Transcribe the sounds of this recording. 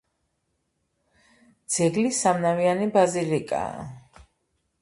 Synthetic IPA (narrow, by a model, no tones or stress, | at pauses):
d̪z̥ɛɡlisamnavianibazilikʼa̰